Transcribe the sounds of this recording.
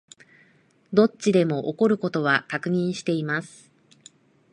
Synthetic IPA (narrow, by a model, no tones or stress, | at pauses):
d̪o̞t͡ɕid̪e̞mo̞ʔoko̞ɾɯ̟ko̞t̪o̞β̞akakɯ̟ɲ̟ĩɰ̃ɕi̥t̪e̞imasɨ̥